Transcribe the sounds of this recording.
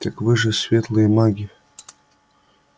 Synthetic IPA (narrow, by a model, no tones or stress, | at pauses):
t̪akvɨʐɨsʲvʲet̪lˠɨjəmaɡʲi